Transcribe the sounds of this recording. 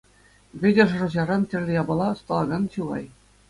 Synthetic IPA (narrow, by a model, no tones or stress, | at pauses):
ʋʲɘ̆dʲɘ̆ʐ̆rɤ̆ʑɑɾɑntʲɘ̆rʲlʲɘ̆jɑbɤ̆lˠɑɤ̆st̪ɑlˠɑɡɑnɕɯlˠɑ̰j